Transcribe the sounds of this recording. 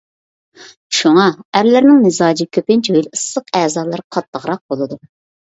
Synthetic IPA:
ʃuŋɑæɾlɪɾnɪŋnɨzɑːd͡ʒikʲʰøpɪnt͡ʃojilɨsːəqɛːzɑːlˠɑɾqʰɑt̪ːəʁɾɑq̚bolˠɨd̪u

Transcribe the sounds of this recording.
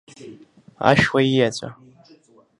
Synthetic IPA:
a̰ʃwaijat͡ɕʷʼa̰

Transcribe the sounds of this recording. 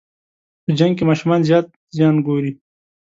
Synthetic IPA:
pəd͡ʒaŋɡ̚kemɑːʃumɑnzjɑːt̪̚ | zjɑːnɡoːɾi

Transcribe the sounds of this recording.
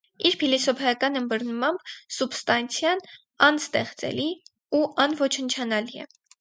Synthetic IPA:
iɾpʰilisɔpʰɛjɑkɑnəmbəɾnmɑmb̥subst̪ɑnt͡sʰjɑn | ɑnst̪ɛχt͡sɛ̰li | uʔɑnvɔt͡ʃʰənt͡ʃʰɑnɑliɛ̰

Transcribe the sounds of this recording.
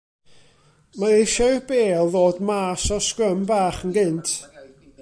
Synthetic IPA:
maɪʃɔb̥eːlˠðoːdmaːsɔskrəmbaːχənɡɪntʰ

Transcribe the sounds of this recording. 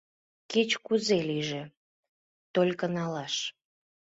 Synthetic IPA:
ket͡ɕkuzeliʒe | t̪olʲkənɑlɑʃ

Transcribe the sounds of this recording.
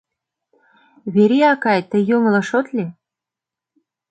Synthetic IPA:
βeɾiɑkɑjt̪ə̆jom̆lɤ̆ʃot̪lʲe

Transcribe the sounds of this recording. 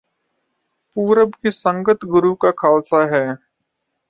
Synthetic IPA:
puːɾəbkisə̃ŋɡət̪ɡʊɾukakʰaːlsaɦɛː

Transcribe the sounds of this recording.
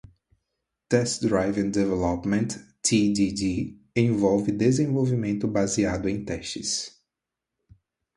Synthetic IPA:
t̪ɛst̪d̪ɾajvẽŋd̪evɛlɔpmẽnt̪ː | id̪idi | ẽvɔwvɪd̪ezẽvowvimẽnt̪ʊbaziad̪ʊẽj̃t̪ɛʃɪs

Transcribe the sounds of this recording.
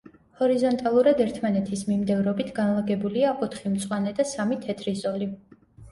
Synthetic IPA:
hɔɾizɔnt̪ʼalˠuɾad̪ɛɾt̪ʰmanɛt̪ʰismimd̪ɛvɾɔbit̪ʰɡanlˠaɡɛbuliaʔɔt̪ʰχimt̪sʼwanɛd̪asamit̪ʰɛt̪ʰɾizɔli

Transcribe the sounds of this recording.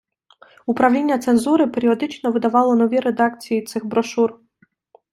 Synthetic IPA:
upɾɐwlʲinʲːɐt̪se̞nzuɾɪpe̞ɾʲiɔd̪ɪt͡ʃnɔʋɪd̪ɐʋɑlˠɔnɔʋʲiɾe̞d̪ɑkt͡sʲijit̪sɪɣbɾɔʃur

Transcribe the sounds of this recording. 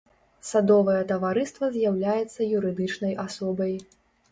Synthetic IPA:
sad̪ɔvɐjɛt̪ɐvaɾɨst̪vɐzʲjawlʲajɛt̪sːɐjuɾɨd̪ɨt͡ʂnɐjʔasɔbɐj

